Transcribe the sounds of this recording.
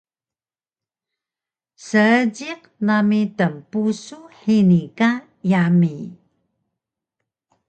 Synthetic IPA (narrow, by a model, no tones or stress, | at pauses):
səəd͡ʑiq̚ | namitəmpusuħinika | jami